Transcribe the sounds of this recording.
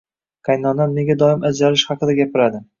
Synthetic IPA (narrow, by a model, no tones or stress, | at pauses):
kʰajnɒnanmeɡʲad̪ɒɪmʔad͡ʒaɾɪʃhɑqɨd̪aɡʲapʰɪɾad̪ɪ